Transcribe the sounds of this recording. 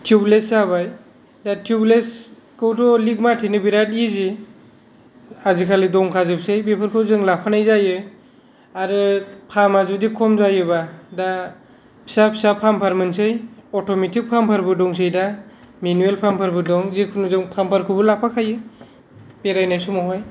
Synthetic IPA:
tʰijublesaβaj | datʰiubles | kɯwdɔliɡ̚matʰinɯbiɾatizi | azikʰalidɔŋkʰazɯp̚sɯjbepʰɯɾkʰɯwzɯŋlapʰanajzajɯ | aɾɯpʰamazudikʰɔmzajɯbada | pʰi̥sapʰi̥sapʰampʰaɾmɯnsɯjɔtɔmetʰik̚pʰampʰaɾbɯdɔŋsɯjda | minuelpʰampʰaɾbɯdɔŋzikʰɯnuzɯŋpʰampʰaɾkʰɯbɯlapʰakʰajɯ | b̥eɾajnajsumɔɦɔj

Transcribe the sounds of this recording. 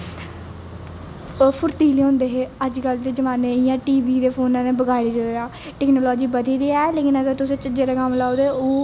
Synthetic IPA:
pʰʊɾt̪iːleːɦõːnd̪eːɦeːəd͡ʒkəld̪eːd͡ʒəmaːneːɪjãːʈiːbiːd̪eːpʰoːnãːneːbəɡaːɽiːɾojaː | ʈɛːknoːlɔːd͡ʒiːbəd̪iːd̪iːɛːleːkɪnəɡəɾt̪ʊsẽːt͡ʃəd͡ʒeːɾaɡamlaːoːd̪eːoː

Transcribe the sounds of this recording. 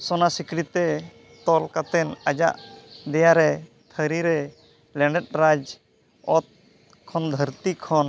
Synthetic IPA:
sɔnasikɾit̪ɛ | t̪ɔlkat̪ɛnad͡ʒa̰ʔd̪ɛjaɾɛ | t̪ʰəɾiɾɛ | lɛ̃ɳɖɛt̚ɾad͡ʒ | ɔt̪̚ | kʰːɔnd̪ʱəɾt̪ikʰɔn

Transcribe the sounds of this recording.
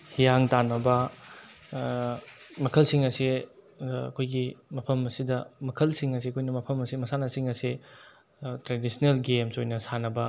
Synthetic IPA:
hijaŋtanɐbɐ | mɐkʰɐlsiŋɐsi | ɐ̰kʰojɡimɐpʰɐmɐsidɐmɐkʰɐlsiŋɐs̬iɐkʰojnɐmɐpʰɐmɐsimɐsanɐsiŋɐsi | tɾedisnelɡemsojnɐsanɐbɐ

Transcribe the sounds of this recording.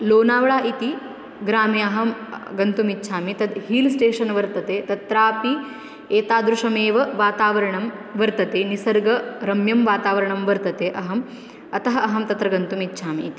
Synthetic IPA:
loːnaːʋɐɭaːʔit̪i | ɡɾaːmiɐɦɐmɡɐnt̪umitːʃʰaːmit̪ɐd̪hiːlsʈeːʂɐnʋɐɾt̪ɐt̪eːt̪ɐt̪ɾaːpi | eːt̪aːd̪ɾuʂɐmeːʋɐʋaːt̪aːʋɐɾɐɳɐmʋɐɾt̪ɐt̪eːnisɐɾɡɐɾɐmjɐmʋaːt̪aːʋɐɾɐɳɐmʋɐɾt̪ɐt̪eːʔɐɦɐm | ɐt̪ɐɦɐ̆ɐɦɐmt̪ɐt̪ɾɐɡɐnt̪umitːʃʰaːmiːt̪i

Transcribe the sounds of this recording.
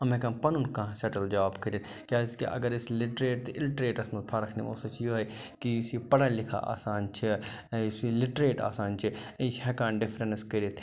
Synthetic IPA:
ɐmẽkɐ̃mpɐnunkãsɛʈɐld͡ʒɐʋaːbkɐɾin | kjaːɪskḭʔɐ̰ɡəɾɪslɪʈɾeːʈ̚t̪ɪlʈɾeːʈɐsmɐt̪pʰaɾɐkʰnḭmo̰ːsɐt͡ʃʰjoːɦe | kisipɐɽanlɪkʰa̰ʔa̰ːsaːnt͡ʃʰisilɪʈɾeːʈa̰ːsaːnt͡ʃʰiĩt͡ʃʰhɛːkaːnɖɪpʰɾənskɐɾit̪ʰ

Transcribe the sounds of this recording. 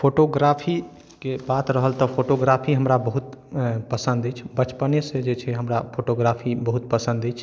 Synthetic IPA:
pʰoːʈoɡɾaːpʰi | kebaːt̪ɾəɦəlt̪ɔpʰoːʈoɡɾaːpʰiɦəmɾabəɦut̪pəsə̃nd̪et͡ʃʰbət͡ʃpənesed͡ʒet͡ʃʰɛɦəmɾapʰoːʈoɡɾaːpʰibəɦut̪̚pəsə̃nd̪et͡ʃʰ

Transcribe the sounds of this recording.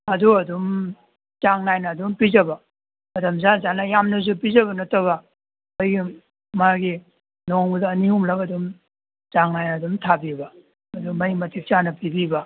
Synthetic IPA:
ɐduɐdum | zaŋnajnɐdumpizɐbɐ | mɐtʰɐmzazanɐjamnɐs̬upizɐbɐnɐtɐβɐ | ojɡi | maɡi | noŋbudɐːniumlakɐdum | zaŋnajnɐːdumtʰabibɐ | ɐdumɐjmɐtʰik̚t͡ʃanɐpibibɐ

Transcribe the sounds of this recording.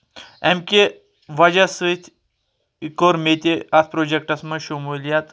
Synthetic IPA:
ɛmkʲe | ʋɐd͡ʑasɨt̪ʰʲ | ikoɾmet̪ʲeɐt̪ʰpɾod͡ʑek̚ʈɐsmɐnʃomulijat̪

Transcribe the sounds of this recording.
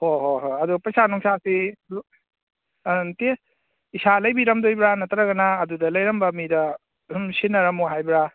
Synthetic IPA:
hoɦoɦoɐdupɐjsanɔŋsasi | te | isalɐjbiɾɐmdojbɾanɐtɐɾaɡɐnaːdudɐlɐjɾɐmbɐmidɐ | sinːɐɾɐmuɦajbɾa

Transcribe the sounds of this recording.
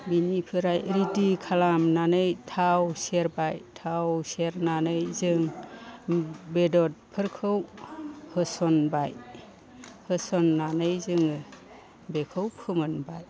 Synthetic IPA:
binipʰɯɾajɾidikʰalamnanɯjtʰawseɾbajtʰawseɾnanɯjzɯŋ | bedɔt̚pʰɯɾkʰɯwhɯsɔnbaj | hɯsɔnːanɯjzɯŋɯ | bekʰɯwpʰɯmɯnbaj

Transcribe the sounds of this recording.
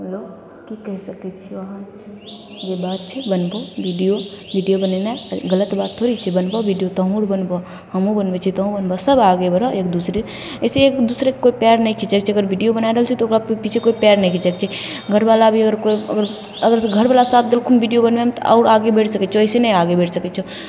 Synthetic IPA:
ɦɛlo | kikɛɦsəkɛt͡ʃʰiɔɦan | jebaːt̪̚t͡ʃʰɛbənbobiɖijobiɖijobənenaɡələt̪baːt̪ʰːoɾit͡ʃʰɛbənbɔbiɖijot̪əɦũɾbənbɔ | həmũbənbet͡ʃʰit̪ɔɦũbənbɔsəbaɡebəɾɔʔeːkd̪usɾe | əseːkd̪usɾekkoipɛɾnɛĩkʰit͡ʃəkt͡ʃʰiəɡəɾbʱiɖijobənaiɾəɦəlt͡ʃʰɛt̪ɔokɾapit͡ʃʰekoipɛɾnɛ̃ikʰit͡ʃəkt͡ʃʰɛɡʱəɾbalabʱiəɡəɾkoiəɡəɾ | əɡəɾɡʱəɾbalasat̪ʰd̪elkʰunbʱiɖijobənbɛmet̪ɔʔa̰ːɾaɡebeʈʰsəkɛt͡ʃʰeəsenɛjaɡebeʈʰsəkɛt͡ʃʰɛ

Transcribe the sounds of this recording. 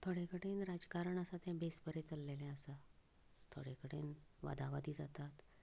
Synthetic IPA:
t̪ʰoɽekəɽenɾad͡zkaɾəɳəsat̪ɛ̃besbəɾet͡səlːelɛ̃əsa | t̪ʰo̰ɽ̤ekəɽḛnʋa̰d̪aʋad̪iːd͡zat̪at̪

